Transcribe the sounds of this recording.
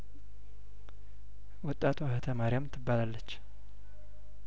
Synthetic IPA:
wɔt̪ʼːat̪ʰwahət̪ʰəmaɾjamt̪ʰɨbːalalːət͡ʃː

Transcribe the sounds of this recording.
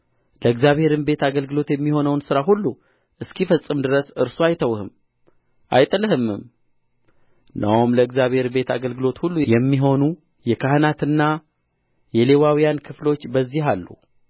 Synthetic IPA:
ləɨɡzjaβhe̞ɾɨmbe̞t̪aɡəlɡɨlo̞t̪jɛmːiho̞nəwnsɨɾaɦulːu | ʔɨskʰifəsʼːɨmd̪ɨɾəsɨɾsoajt̪ʰəwhɨm | ʔajt̪ʼɨlɨhɨmːɨ̰m | nʔawmləɨɡzjaβhe̞ɾɨbe̞t̪ʰaɡəlɡɨlo̞t̪hulːujɛmːiɦo̞nu | jɛkʰahənat̪ɨnːa | jɛle̞wawijankʰɨflo̞t͡ʃːbəzːiɦalːṵ

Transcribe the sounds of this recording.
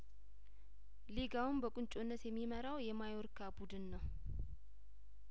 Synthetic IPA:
leɡawɨmbəkʼʊnt͡ʃʼonːət̪jɛmːiməɾawjɛmajoɾkʰabud̪ɨnːəw

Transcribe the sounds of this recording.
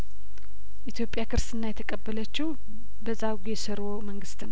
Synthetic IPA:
ʔit̪ʰjo̞pʼjakʰɨɾsɨnːajɛt̪ʰəkʼəbːələt͡ʃːɪw | bəzːaɡjɛsəɾoməŋɡɨst̪n

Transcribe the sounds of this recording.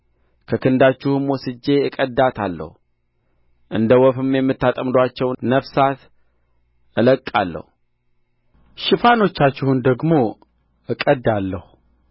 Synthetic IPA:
kʰəkɨnd̪at͡ʃːɪhɨmwɔsɨd͡ʒːe̞ɨkʼəd̪ːat̪ʰalːə̰hu | ʔɨnd̪əwɔfɨmjɛmːɨt̪ːat̪ʼəmd̪oat͡ʃːɛwnəfsat̪ | ʔɨləkʼːa̰lːə̰hu | ʃɪfano̞t͡ʃːat͡ʃːɪhund̪əɡmo̞ | ʔɨkʼəd̪ːalːəhu

